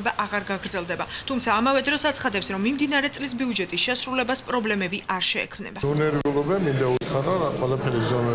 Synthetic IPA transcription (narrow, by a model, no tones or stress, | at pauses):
baʔaʁaɾɡaɡɾd̪zɛlˠd̪ɛbat̪ʰumt̪ʰaːmavɛd̪ɾɔsat̪sʰχad̪ɛpsɾɔmːimd̪inaɾɛt̪ʼlis̬biud͡ʒɛt̪ʼisʃɛsɾulɛbaspʼɾɔblɛmɛbiʔaɾʃɛ̰ːkʰmnɛ̰baɔnɛɾiulˠɔbɛmind̪aut̪ʰχaɾɔaqʼwɛlˠapʰɛɾizɔmɛ